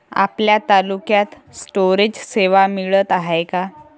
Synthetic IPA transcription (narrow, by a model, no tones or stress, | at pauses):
a̰pljat̪alukjat̪ | sʈoɾed͡ʑseʋamiɭət̪aɦajka